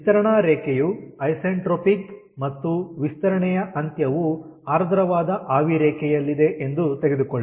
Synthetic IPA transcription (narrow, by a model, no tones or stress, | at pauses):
t̪ɐɾɐɳaːɾɛːkɛjuɐjseːɳʈɾoːpik | mɐt̪ːuʋist̪ɐɾɐɳɛjɐʔɐnt̪jɐʋu | aːɾd̪ʱɐɾɐʋaːd̪ɐʔaːʋiɾɛːkʰɛjɐlːid̪e̞ʔend̪ut̪eɡe̞d̪ukoɭː